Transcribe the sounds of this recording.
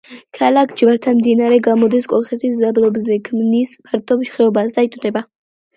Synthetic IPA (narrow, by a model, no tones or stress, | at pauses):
kʰalakʰd͡ʒvaɾt̪ʰamd̪inaɾɛɡamɔd̪iskʼɔlˠχɛt̪ʰiszablɔbzɛkʰmnismaɾt̪ʼɔbʃχɛɔbasd̪ait̪ʼd̪ɛba